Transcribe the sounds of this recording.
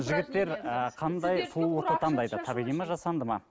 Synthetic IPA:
ʒɪɡʲɪt̪ːe̞ɾəqʰɑnd̪ɑjt̪ʰulwoɾt̪lˠt̪ɑnd̪ɑjd̪ət̪ʰɑbiʁijmɑʒɑsɑnd̪əmɑ

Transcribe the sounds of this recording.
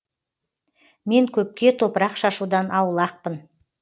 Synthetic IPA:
me̞ŋkʲʰɵp̚kʲe̞t̪ʰo̞pəɾɑqʃɑʃud̪ɑnʔɑwəlˠɑq̚pən

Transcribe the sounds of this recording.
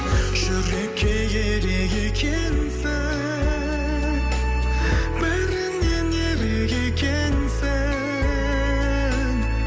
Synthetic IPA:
ʒ̥ʏɾekʲʰːejʲeɾeɡʲekʲʰe | nsɪ | b̥ɪɾɪnenjeɾeɡʲekʲʰensɪ | ŋ

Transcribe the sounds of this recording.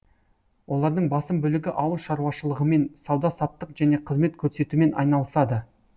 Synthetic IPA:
wʔo̞lˠɑɾd̪əɴbɑsəmbɵlɪɡʲɪʔɑwəlˠʃɑɾuwɑʃəlˠəʁəme̞nsɑwd̪ɑsɑt̪ːəqʒ̥æne̞qʰəzme̞t̪kʲʰɵɾse̞t̪ume̞nʔɑ̰jnɑlˠəsɑd̪ə

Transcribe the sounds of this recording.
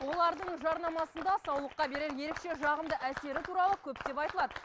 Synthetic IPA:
wo̞lˠɑɾd̪əɴʒɑɾnɑmɑsənd̪ɑsɑwlˠəqːɑbe̞ɾe̞ɾje̞ɾe̞kʃe̞ʒɑʁəmd̪əʔæse̞ɾɪt̪ʰuɾɑlˠəkʲʰɵpd̪e̞pɑjt̪əlˠɑd̪ə

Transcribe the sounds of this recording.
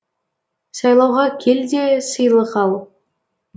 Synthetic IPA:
sɑjlˠɑwʁɑkʲʰelʲdʲesɯ̆jlˠɤ̆χɑlˠ

